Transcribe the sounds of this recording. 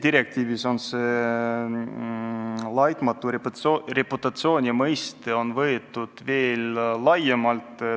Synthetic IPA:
d̪iɾe̞k̚t̪iːviso̞nseː | lɑjt̪mɑt̪ːˑurre̞put̪ːˑɑt̪sio̞ːnʲimɤjst̪eo̞nvɤet̪ːˑud̪̥ve̞ːllɑjemɑlt̪ˑ

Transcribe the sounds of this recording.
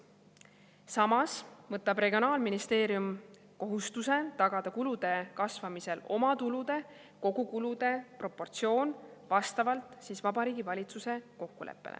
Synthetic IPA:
sɑmɑsmɤt̪ːˑɑb̥re̞ɡio̞nɑːlminist̪e̞ːɾjum | ko̞ɦust̪use̞t̪ɑɡ̥ɑd̪̥ɑkulud̪̥e̞kɑsvɑmise̞lo̞mɑt̪ulud̪̥e̞ | ko̞ɡukulud̪̥e̞pro̞pːo̞rt̪sio̞ːnvɑst̪ɑvɑlt̪ˑsiːsvɑbɑɾiːɡivɑlʲit̪suse̞ko̞kːulʔḛpːˑelḛ

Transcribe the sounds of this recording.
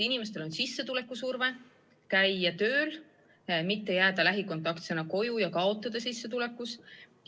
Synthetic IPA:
inime̞s̬t̪e̞lo̞nsisːe̞t̪ule̞kˑːusurve̞ | kæjːɑt̪ø̞ːl | mit̪ːejæːd̪̥ɑlæɦikont̪ːˑɑkt̪senːɑko̞jujɑkɑo̞t̪ːˑɑd̪̥ɑsisːet̪ule̞kːˑus

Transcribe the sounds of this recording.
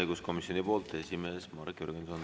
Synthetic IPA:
jɡusko̞misjo̞nipo̞ːlt̪ːˑe̞sime̞ːsmɑɾkjyɾɡ̥enson

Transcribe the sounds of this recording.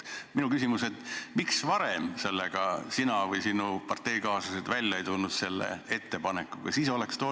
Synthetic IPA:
minukysimuset̪miksvɑɾemse̞lːeɡ̥ɑsinɑvɯjsinupɑrt̪e̞jkɑːsɑsed̪̥vælʲːjɑejt̪ulnud̪̥se̞lːḛe̞t̪ːe̞pɑne̞kːˑukɑ̰siːso̞le̞kst̪o

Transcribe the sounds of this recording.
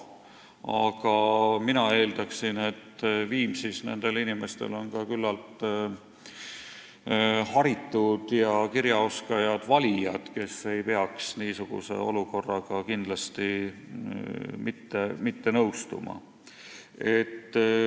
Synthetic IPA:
ɑɡ̥ɑminɑe̞ːld̪̥ɑksine̞t̪ːviːmsisne̞̰nd̪̥e̞linime̞st̪e̞̰lo̞nkɑkylːɑlt̪ | hɑɾit̪ːud̪̥jɑkiɾjɑo̞skɑjɑd̪̥vɑlʲijɑd̪̥ke̞se̞jpe̞ɑksniːsuɡ̥ṵse̞̰o̞luko̞rːɑɡ̥ɑkind̪̥lɑst̪i | mit̪ːemit̪ːe̞nɤwst̪ṵmɑ̰ | e̞t̪ː

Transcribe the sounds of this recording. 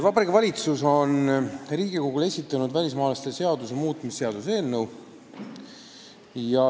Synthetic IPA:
vɑpɑɾikːɑvɑlʲit̪suso̞nriːɡ̥iko̞ɡ̥ule̞sʲit̪ːˑɑnud̪vælʲismɑːlɑst̪ese̞ɑd̪usemuːt̪ːˑmise̞ɑd̪̥use̞ːlnew | jɑ

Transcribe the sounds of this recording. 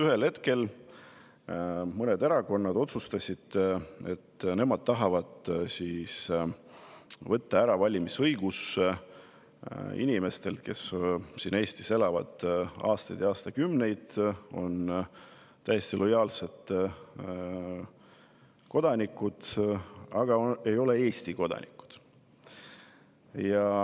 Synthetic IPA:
yɦelhe̞t̪ke̞l | mɤned̪eɾɑko̞nːɑd̪o̞t̪sust̪ɑsʲid̪̥et̪ːne̞mɑd̪̥̚t̪ɑɦɑvɑd̪̥sis | vɤt̪ːɑæɾɑvɑlʲimisɤjɡ̥us | ḭnʲime̞st̪e̞lt̪ke̞ssine̞ːst̪ise̞lɑvɑ̰d̪̥ɑ̰ːst̪ɑjd̪jɑːst̪ɑkymne̞jd̪̥o̞̰n | t̪æjest̪ilʔo̞jɑːlse̞d̪̥ | ko̞d̪̥ɑnʲikːˑud̪̥ | ɑɡ̥ɑe̞jo̞le̞e̞ːst̪iko̞d̪̥ɑ̰nʲḭkːˑu̥d̪̥ | jɑ

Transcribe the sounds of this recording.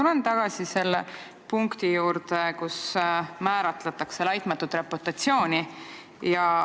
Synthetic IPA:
ulent̪ɑɡ̥ɑsise̞lːḛ | puŋkt̪ijuːɾt̪ekusmæːɾɑt̪let̪ːˑɑkselɑjt̪ˑmɑt̪ːˑut̪ːˑɾepot̪ːɑt̪sjo̞ːnʲi | jɑ

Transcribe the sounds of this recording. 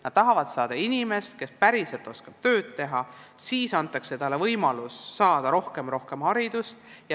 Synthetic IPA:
nɑd̪̥̚t̪ɑɦɑvɑd̪̥sɑːd̪̥ɑinʲime̞st̪̚ke̞spæɾise̞lt̪ːˑo̞skɑb̥̚t̪ø̞ːd̪t̪e̞ɦɑsiːsɑnt̪ˑːɑkset̪ɑlːevɤjmɑlusːɑːd̪̥ɑɾo̞hke̞mɾo̞hke̞mhɑɾid̪̥ust̪jɑ

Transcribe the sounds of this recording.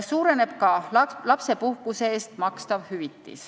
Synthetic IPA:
suːɾe̞ne̞b̥kɑlɑpse̞puhkuseeːst̪mɑkst̪ɑvhyvit̪ːˑḭs

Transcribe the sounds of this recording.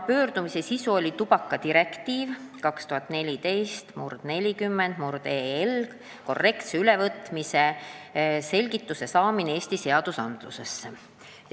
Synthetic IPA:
pø̞ːrd̪̥umise̞sisuo̞lʲit̪ub̥ɑkˑːɑt̪iɾe̞kt̪iːvkɑkst̪uɦɑt̪ːˑne̞lʲid̪e̞jst̪murd̪̥ne̞lʲikymːend̪̥murd̪eːlk | ko̞̰rːe̞kt̪seylevɤt̪mise̞ | se̞lʲɡit̪ːuse̞sɑːmineeːsʲt̪ise̞ɑd̪̥usɑnd̪̥lṵse̞sːe

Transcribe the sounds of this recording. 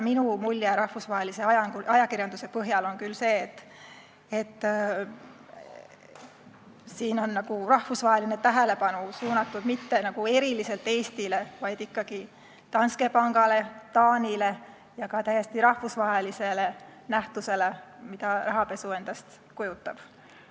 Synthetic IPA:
minumulʲjeɾɑhfusvɑɦe̞lise̞ɑjɑŋɡuɑjɑkirjɑnd̪use̞pɤɦjɑlo̞nkylse̞ːt̪ː | et̪ːˑ | siːno̞nːɑɡ̥urɑhfusvɑɦe̞line̞t̪æɦele̞pɑnusuːnɑt̪ːˑud̪mit̪ːe̞nɑɡ̥ue̞ɾilise̞lt̪ːˑe̞ːst̪ile̞vɑjd̪̥ikːɑɡ̥i | t̪ɑnske̞pɑŋɡ̥ɑle̞t̪ɑːnile̞ | jɑkɑt̪æje̞st̪iɾɑhvusvɑɦe̞lise̞le̞næht̪use̞le̞mid̪̥ɑrɑɦɑpe̞sue̞nd̪̥ɑst̪ | kujut̪ːˑɑb̥

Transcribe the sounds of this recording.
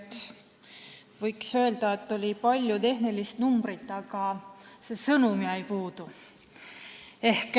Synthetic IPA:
t̪ː | vɤjksø̞e̞ld̪̥ɑe̞t̪ːo̞lʲipɑlʲjut̪e̞ɦnelist̪numb̥rit̪ːˑɑɡɑ | se̞sɤnumiɑjpuːd̪̥u | e̞hk

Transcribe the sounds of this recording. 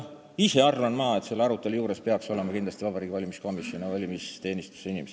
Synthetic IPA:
ise̞ɑrvɑnmɑːe̞t̪se̞lːeɑɾut̪ːˑe̞lujuːɾe̞spe̞ɑkso̞lemɑkind̪lɑst̪ivɑbɑɾiːɡivɑlʲimisko̞misjo̞nivɑlʲimist̪e̞ːnist̪u̥seinimee

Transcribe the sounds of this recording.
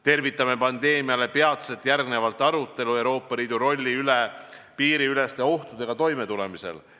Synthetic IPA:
t̪e̞rvit̪ːˑɑmepɑnd̪̥e̞ːmiɑle̞pe̞ɑt̪set̪ːˑjærɡne̞vɑlt̪ːˑɑɾut̪ːˑe̞lue̞wɾo̞ːpːˑɑliːd̪̥uɾo̞lʲːiyle | piːɾiyle̞st̪e̞o̞ht̪ud̪e̞ɡ̥ɑt̪o̞jme̞t̪ule̞mise̞̰l

